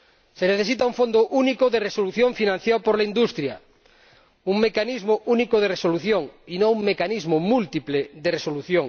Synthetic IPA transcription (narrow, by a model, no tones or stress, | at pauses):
seneθes̬it̪auɱfond̪ʊʔunikoðeresoluθjõɱfinãn̟θjawpoɾlaind̪ust̪ɾja | uŋmekanizmoʔunikoð̞eresoluθjoŋinõŋuŋmekanizmomult̪ipleðeresoluθjoŋ